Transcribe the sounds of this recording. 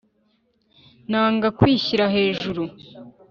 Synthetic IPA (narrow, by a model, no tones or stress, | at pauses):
naːŋɡakwiːçiɾaɦe̞ːʒuɾu